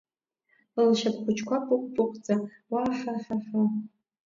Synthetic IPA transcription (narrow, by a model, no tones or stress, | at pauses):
ɨlʃapʰχʷʊt͡ʃʰkʷapʼʊqʷʼpʼʊqʷʼt͡sʼa | waħaħaħa